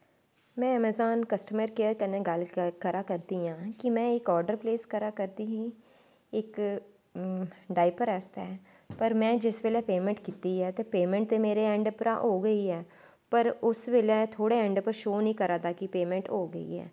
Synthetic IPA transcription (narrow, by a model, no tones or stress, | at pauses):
mɛ̃ːɛmɛzaːnkəsʈəməɾkeːəɾkənẽːɡəlkəɾaːkəɾd̪iːãːkɪmɛ̃ːɪkɔːɾɖəɾpleːskəɾaːkəɾd̪iːɦiː | ɪk | ɖaːɪpəɾɛst̪ɛː | pəɾmɛ̃ːd͡ʒɪsʋelɛːpeːmɛ̃ɳʈkiːt̪iːɛːt̪eːpeːmɛ̃ːɳʈ̚t̪eːmeːɾeːɛ̃ːɳɖpɾa̰ːʔɦoːɡəiːɛː | pəɾʊsʋelɛːt̪ʰoːɽeːɛ̃ːɳɖpəɾʃoːnəĩːkəɾaːt̪aːkɪpeːmɛ̃ːɳʈɦoːɡəḭːɛ̰ː